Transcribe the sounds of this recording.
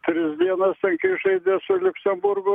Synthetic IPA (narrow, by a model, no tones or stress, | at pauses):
t̪ʲɾʲɪsʲd̪ʲiɛnɐst̪ʲɛŋkɐɪʒɐɪd̪ʲesʊlʲʊksʲɛmbʊɾɡʊ